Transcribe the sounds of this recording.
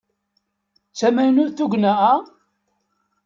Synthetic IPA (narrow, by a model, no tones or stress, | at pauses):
t͡sːæmæjnʊɾθuɡʷnæa